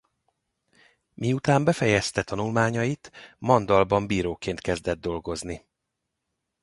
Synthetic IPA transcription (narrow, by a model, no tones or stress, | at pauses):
miut̪aːmbɛfɛjɛst̪ɛt̪ɒnulmaːɲɒjit̪mɒnd̪ɒlbɒmbiːɾoːkeːnt̪kɛzd̪ɛd̪̚ːo̞lɡo̞zni